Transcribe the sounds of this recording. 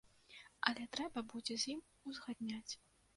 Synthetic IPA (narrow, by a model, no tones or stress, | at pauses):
ɐlʲɛt̪ɾɛbɐbud͡zʲɛzʲjim | uzɣad̪̚ʲnʲat͡sʲ